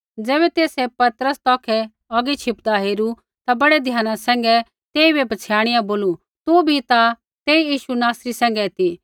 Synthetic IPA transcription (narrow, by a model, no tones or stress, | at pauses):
d͡zɛːβɛt̪eːsɛpɐt̪əɾəst̪ɔːkʰɛ | ɔːɡit͡ʃʰɪpd̪aɦeːɾu | t̪abɐɽɛd̪ʱjaːnãsɛ̃ːŋ̆ɡɛ | t̪eːibɛbɐt͡sʰjaːɽ̃ɪjãboːlu | t̪ubʱit̪a | t̪eːijiːʃunaːsɾisɛ̃ːŋ̆ɡɛt̪i